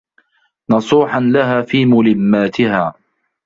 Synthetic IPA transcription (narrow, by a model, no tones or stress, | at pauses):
nɑsˤuːħanlaɦaːfiːmʊlɪmːaːt̪ɪhaː